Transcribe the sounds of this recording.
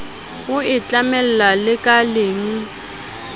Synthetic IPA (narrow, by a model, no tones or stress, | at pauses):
ɣʊɪt͡ɬʼamɛl̩lalɪkʼaleŋ̩